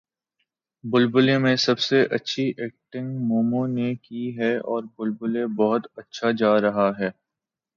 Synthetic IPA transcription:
bʊlbʊlemẽsɐbseʔɐtːʃʰiʔeːk̚ʈɪ̃ŋɡmoːmõnekiɦɛɔːɾbʊlbʊlebɔɦʊt̪ɐtːʃʰad͡ʒaːɾɐɦaɦɛː

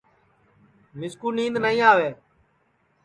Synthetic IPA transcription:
mɪskuːnĩːnd̪nəĩːaːʋeː

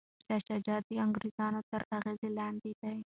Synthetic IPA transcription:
d̪aʃad͡ʒɑd̪iaŋɡɾezɑnot̪əɾaɣezelɑnd̪id̪aj

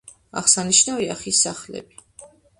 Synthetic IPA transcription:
a̰χsaniʃnaviaχisːaχlɛ̰bi

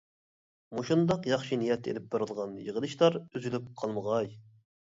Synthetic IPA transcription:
muʃund̪ɑqjɑχʃinijɛt̪ʰːḛlɪp̚beɾɨlˠʁɑnjəʁəlˠɨʃlˠɑɾyzylyp̚qʰɑlˠməʁɑj

